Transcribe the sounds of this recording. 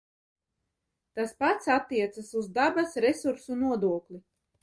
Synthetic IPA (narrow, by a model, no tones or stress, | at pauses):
t̪aspat̪sat̪ːiɛt̪sasuzd̪abasɾɛsuɾsunuɔd̪uɔklʲi